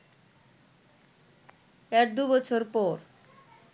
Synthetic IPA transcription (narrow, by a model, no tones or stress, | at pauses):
ɛkd̪ubɔt͡ɕʰoɾpɔɾ